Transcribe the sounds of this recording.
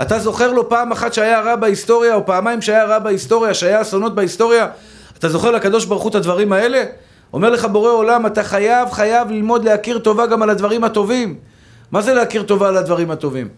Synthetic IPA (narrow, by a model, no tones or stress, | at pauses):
at̪azo̞χe̞ʁlo̞paːmaχat̪ʃeajaʁabaist̪o̞ʁjaopaːmajimʃeajaʁabaist̪o̞ʁjaʃeajaːsono̞t̪̚baist̪o̞ʁjaː | t̪azo̞χelakad̪o̞ʃbaʁχut̪ad̪vaʁimae̞le̞ | o̞me̞ʁle̞χabo̞ʁeo̞lamat̪aχajavχajavlilmo̞d̪leakiʁt̪o̞vaɡamalad̪vaʁimhat̪o̞vimː | aze̞leakiʁt̪o̞vaːlad̪vaʁimhat̪o̞vim